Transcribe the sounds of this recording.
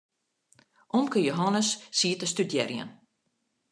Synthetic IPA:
ʔɔmkəjoɦɔnəsːiːtəstydjɛ̰rjə̰n

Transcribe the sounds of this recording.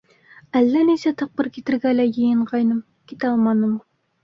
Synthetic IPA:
ælːænesɛt̪ʰɑq̚bəɾkʲʰet̪ɪɾɡʲɛlæjejɪɴʁɑjnɨm | kʲʰet̪ɑlˠmɑnːɨm

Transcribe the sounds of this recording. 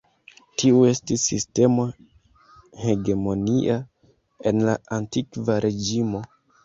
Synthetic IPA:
tʰiue̞stisːḭste̞mo | he̞ɡe̞mo̞niʔa | e̞nlaantikvaɾʔe̞d͡ʒimo̞

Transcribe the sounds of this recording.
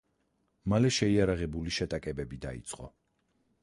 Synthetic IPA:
malɛʃɛiaɾaʁɛbuliʃɛt̪ʼakʼɛbɛbid̪a̰ḭt̪sʼqʼɔ̰

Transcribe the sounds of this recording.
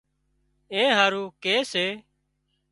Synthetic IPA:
ẽːɦaːɾuːkeːseː

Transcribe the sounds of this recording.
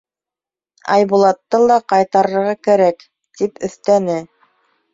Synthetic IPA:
ɑ̰jbulˠɑt̪ːɤlˠɑqɑjt̪ɑɾɤ̆ɾʁɑkæɾæk | t̪ipɵ̆θt̪ænɘ

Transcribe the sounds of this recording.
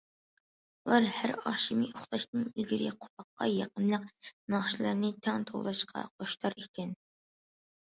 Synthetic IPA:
ulˠɑɾhæɾɑʃimioχt̪ɑʃt̪ɨŋilɡʲiɾɪqʰo̥p̪ʰɑqːɑ̰jɑqənlˠəqnɑχʃilˠɨɾnɪt̪ʰɑŋt̪ʰo̰lˠlˠɑʃqʰɑ̰qʰoʃt̪ʰɑɾekʲɛn

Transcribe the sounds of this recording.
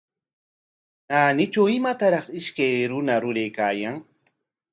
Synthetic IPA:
aːnɪt͡ʃawɪmat̪aɾɑχɪʃkajɾʊnaɾʊɾajkaːjaŋ

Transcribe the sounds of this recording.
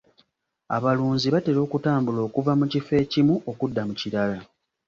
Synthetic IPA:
a̰βaluːnziβate̞ɾo̞ːkutaːmbulo̞ːkuvamucife̞ːcimuʔo̞kudːamuciɾala

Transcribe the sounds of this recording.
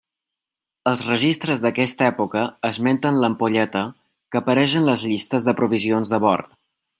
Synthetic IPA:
əlˠzrəʒist̪ɾəzðəkɛst̪əɛpukəːzmɛnt̪ənləmpuʎɛt̪ə | kəpəɾɛʃənləzʎist̪əzðəpɾuβizionzðəβɔ̰ɾt̪

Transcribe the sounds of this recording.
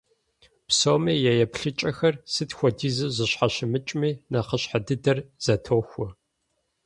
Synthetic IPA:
psowmiːjajɛpɬɨt͡ʃʼɐxɐrsɨtxʷɔdiːzɨzɨɕħaɕɪmɨt͡ʃʼmiːnaqəɕħadɨdɐrz̥ɐtʰoːxʷɔ

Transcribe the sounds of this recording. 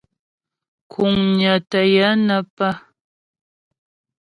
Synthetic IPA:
kʰʊŋɲat̪ajanapa

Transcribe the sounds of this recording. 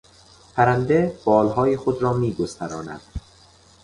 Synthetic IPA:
pʰæɾænd̪eb̥ɒːlɦɒːjixod̪ɾɒːmiːɡozt̪æɾɒːnæ̰d̪̥

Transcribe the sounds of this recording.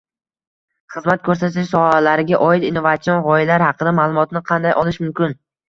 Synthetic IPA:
χɨzmat̪̚kʲʰɵɾsat̪ʰɪʃsɒhalaɾɪɡʲaʔɒɪt̪inːovat̪sijɒnʁɒɪlaɾhɑqɨd̪amalˠʊmɒt̪nɪqʰɑnd̪ajʔɒlˠɪʃmʊmkʲɪn

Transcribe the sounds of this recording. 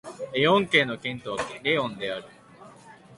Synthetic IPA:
ejõŋke̞no̞kẽ̞nt̪oβakɾeõnd̪e̞aɾɯ̟

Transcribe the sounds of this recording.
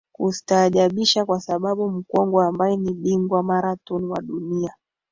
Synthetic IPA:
kusi̥taːʄaɓiʃakwasaɓaɓum̩kɔŋɡɔambajɛniɓiŋɡwamaɾatɔniwaɗunia

